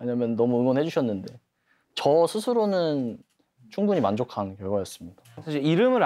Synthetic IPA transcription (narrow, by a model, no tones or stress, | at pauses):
we̞ɲamjʌnnʌmuɯŋwʌnɦe̞d͡ʑuɕʰʌnːɯnde̞ | t͡ɕʌsʰusʰɯɾonɯn | t͡ɕʰuŋbuɲimand͡ʑokʰankjʌɭɡwajʌs͈ɯmɲidasʰaɕ̬ʰiɾiɾɯmɯɾ